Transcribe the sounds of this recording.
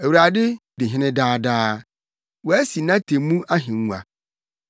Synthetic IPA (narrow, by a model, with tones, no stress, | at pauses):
æ˨wu˨ɾa˨dɪ˦dɪ˨ɦɪ̃˦nɪ̃˦daː˦daː˦ | wɔ˨æ˦si˨nã˦tʰẽ˨mũ˦ʔa˦ɦɪ̃˨˦ũ˨a̰˨